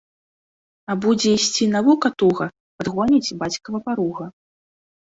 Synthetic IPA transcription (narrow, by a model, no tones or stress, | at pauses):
abud͡zʲɛisʲt͡sʲinavukɐt̪ɔɣɐ | pad̪ɣɔnʲid͡zʲbat͡sʲkɐvɐpaɾuɣɐ